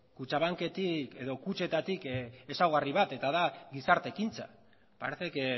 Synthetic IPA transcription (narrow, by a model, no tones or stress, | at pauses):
kut͡ʃaβ̞aŋke̞t̪ike̞ðo̞kut͡ʃe̞t̪at̪ike̞sawɣariβat̪e̞t̪aðaɣisaɾt̪e̞kint͡sa̰ | pa̰ɾeθek